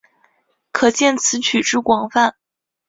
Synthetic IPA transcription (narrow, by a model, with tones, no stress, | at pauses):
kʰɤ˨˩t͡ɕjɛ˥˩nt͡sʰɹ̩˧˥t͡ɕʰy˨˩ʈ͡ʂɻ̩˥˩kwɑ˨˩ŋfa˥˩n